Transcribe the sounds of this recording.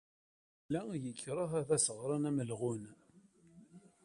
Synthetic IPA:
lːæjəkʰːɾˤəθæðæsəʁɾˤɑnæməlʁʊn

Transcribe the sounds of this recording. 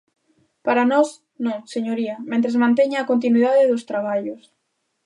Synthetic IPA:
paɾanɔs | nõseɲoɾiɐmẽnt̪ɾezmãnt̪eɲaːkont̪̬inwiðaðeðost̪ɾaβ̞aʎʊs

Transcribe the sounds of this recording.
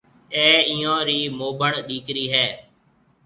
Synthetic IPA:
ɛ̃ːiːãːɾiːmoːbʱəɳɗiːkɾiːɦɛː

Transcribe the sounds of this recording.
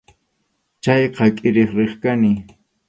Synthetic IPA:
t͡ʃajqɑkʼɪɾeχɾeχkanɪ

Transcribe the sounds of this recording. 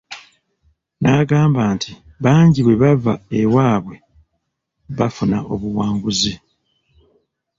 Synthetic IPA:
naːɡaːmbaːntʰi | βaːɲɟiβwe̞βavaewaːβwe̞ | βafunaʔo̞βuwaːŋɡuzi

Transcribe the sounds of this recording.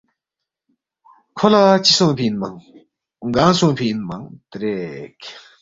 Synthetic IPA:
kʰolat͡ɕʰisoŋpʰinmaŋ | ŋɡaŋsoŋpʰiʔnmaŋt̪eɾek̚

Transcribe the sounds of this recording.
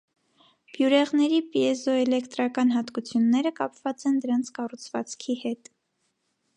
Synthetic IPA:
b̥juɾɛʁnɛɾipiɛzɔɛlɛkt̪ɾɑkɑnɦɑt̪kut͡sʰjunːɛɾəkɑpʰvɑt͡sɛnd̪əɾɑnt͡sʰkɑrut͡sʰvɑ̰t͡skʰihɛt̪

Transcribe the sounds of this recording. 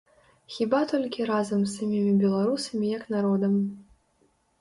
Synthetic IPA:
xʲibat̪ɔlʲkʲiɾazɐmsːamʲimʲibʲɛlˠaɾusɐmʲijɐknaɾɔd̪ɐm

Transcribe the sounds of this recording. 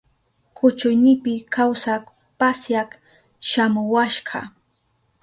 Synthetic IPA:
kʰʊt͡ʃʊjnɪpɪkawsak | pasjak | ʃamʊwaʃɢɑ̰

